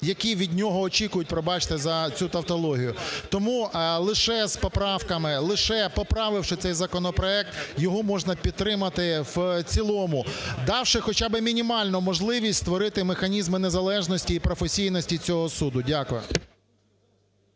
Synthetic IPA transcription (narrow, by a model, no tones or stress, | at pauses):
jɐkʲiʋʲid̪ʲnʲɔɦɔːt͡ʃʲikʊjʊt̚ʲpɾɔbɑt͡ʃɪ̥t̪ɪzɐt͡sʲut̪ɐwt̪ɔlˠɔɦʲijʊt̪ɔmulˠɪʃɛspɔpɾɑwkɐmɪlˠɪʃɛpɔpɾɑʋɪwʃɪt̪sɛjzɐkɔnɔpɾɔɛk̚t̪jɔɦɔmɔʒnɐpʲid̪̚t̪ːɾɪmɐt̪ɪwt͡sʲilˠɔmʊd̪ɑwʃɪxɔt͡ʃɑbɪmʲinʲimɑlʲnʊmɔʒlˠɪʋʲisʲtʲst̪ʋɔɾɪt̪ɪmexɐnʲizmɪnezɐlˠɛʒnɔsʲtʲiːpɾɔfesʲijnɔsʲtʲit͡sʲɔɦɔsud̪ʊdʲakʊjɛ̰